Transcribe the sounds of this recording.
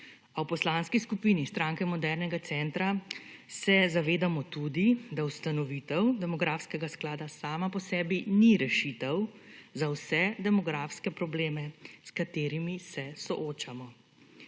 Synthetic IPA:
awpɔslanskiskupinist̪ɾaːŋkɛmɔd̪ɛɾnɛɡat̪sɛnt̪ɾasɛzaʋeːd̪amɔt̪uːd̪id̪awst̪anɔʋit̪ɛwd̪ɛmɔɡɾaːfskɛɡasklaːd̪asaːmapɔsɛːbiniɾɛʃit̪ɛwzawsɛd̪ɛmɔɡɾaːfskɛpɾɔbleːmɛskat̪eːɾimisɛsɔʔoːt͡ʃamɔ

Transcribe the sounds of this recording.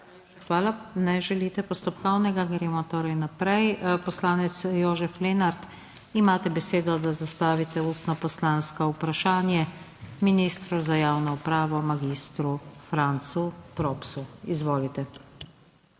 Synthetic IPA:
xʋaːlanɛʒɛliːt̪ɛpɔst̪ɔpkɔwnɛɡaɡɾeːmɔt̪oːɾajnapɾɛjpɔslaːnɛt̪sjoːʒɛfleːnaɾt̪ | imaːt̪ɛbɛseːd̪ɔd̪azast̪aːʋit̪ɛuːst̪nɔpɔslanskɔupɾaʃaːnjɛ | miniːst̪ɾuzajaːwnɔupɾaːʋɔmaɡiːst̪ɾufɾant̪supɾoːpsuizʋoːlit̪ɛ

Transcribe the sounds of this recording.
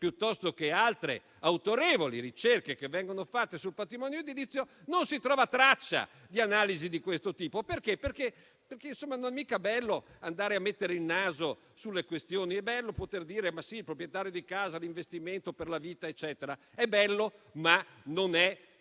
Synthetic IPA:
pjut̪ːɔst̪okealt̪ɾḛ | awt̪oɾeːvolḭɾit͡ʃerkekevːɛŋɡonofat̪ːesulpat̪ɾimɔːnjoed̪ilit̪sːjononsit̪ɾɔːvat̪ɾat͡ʃːa̰d̪ianaːlizid̪ikwest̪ot̪iːpoperkeperke | perkeinsomːanonɛmːiːkabɛlːoand̪aːɾeamːet̪ːeɾeilnaːzo | sulːekwest̪joːniɛbɛlːopot̪erd̪iːɾemasiːlpɾopɾjet̪aːɾjod̪ikaːzaliɱvest̪iment̪operlaviːt̪aet͡ʃːɛːt̪eɾaɛbɛlːomanonɛ

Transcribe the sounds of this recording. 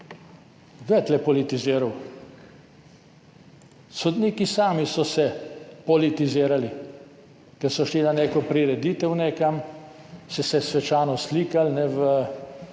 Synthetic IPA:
ʋɛt̪lɛpɔlit̪iziːɾaw | sɔd̪niːkisaːmisɔsɛpɔlit̪iziːɾali | kɛɾsɔʃlinaneːkɔpɾiɾɛd̪it̪ɛwneːkam | sɛsɛsʋɛt͡ʃaːnɔsliːkalnɛʋə

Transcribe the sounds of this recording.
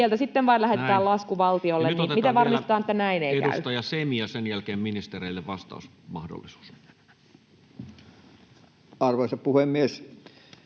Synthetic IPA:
ælt̪æsit̪ːeʋʋɑilæhet̪ːˑæːllɑskuʋɑlt̪iolːenːmit̪æʋɑrmist̪e̥t̪ɑːnet̪ːænæineiekṵyt̪ɑjɑsemiæsenjælkeːmminist̪ereilːeʋɑst̪ɑ̰us | mɑhdo̰lːisu̥ːs | ɑrʋoisɑpuhemːies

